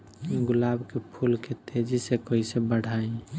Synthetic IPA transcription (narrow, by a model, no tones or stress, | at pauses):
iɡulabkepʰulket̪ed͡ʒisekɔisebəɽ̤ʱaẽ